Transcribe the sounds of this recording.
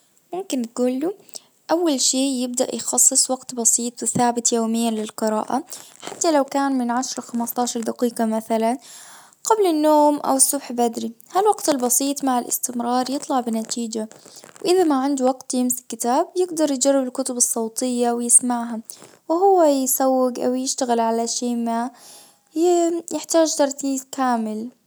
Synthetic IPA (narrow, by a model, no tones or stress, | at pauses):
mʊmkɪnt̪̚ɡuːlːu | ʔawːalʃeːjɪb̚d̪a̰ʔjxɑsˤːɨsˤwɑɡt̪bɑsˤiːt̪ˤwɪθaːbɪt̪joːmɪjːalɪlqɨɾɑ̰ːʔaħat̪ːalawkaːnmɪnʕaʃɾˤɑxamast̪ˤɑːʃɑɾˤd̪aqiːqɑmaθalan | ɡ̥ablɪnːoːmʔa̰wɪsːʊbħbad̪ɾihalwaɡt̪ɪlbɑsˤiːt̪ˤmaʕɪlʔɪ̰st̪ɪmɾˤɑːɾˤjɨt̪ˤlɑʕbɪnat̪iːd͡ʒawʔɪðamaʕɪnd̪waɡt̪jɪmsɪ̥kːɪt̪aːb̚jɪɡd̪ɑɾˤjɪd͡ʒarˤːɪbɪlkʊt̪ʊbɨsˤːɑwt̪ˤɨjːawɪjɪsmaʕɦa | wɪɦʊwːajɪsawːɪɡʔa̰wjɪʃt̪aɣɪlʕalaʃeːma | jɪħt̪aːd͡ʒt̪ɑɾˤt̪iːzkaːmɪl